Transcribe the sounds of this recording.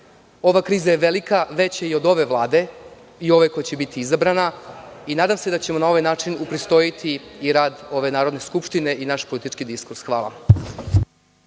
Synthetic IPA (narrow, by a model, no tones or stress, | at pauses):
o̞ʋakɾiːzaje̞ʋe̞likaʋe̞t͡ɕjeio̞d̪o̞ʋe̞ʋlˠaːd̪e̞ | io̞ʋekojat͡ɕebit̪iizabɾanainaːd̪amse̞d̪at͡ɕe̞mo̞nao̞ʋajnaːt͡ʃinupɾist̪o̞jit̪ʰiːɾaːd̪o̞ʋe̞naːɾo̞d̪ne̞skupʃt̪ine̞ʔinaʃpolit̪it͡ʃkid̪iskuɾsxʋaːla̰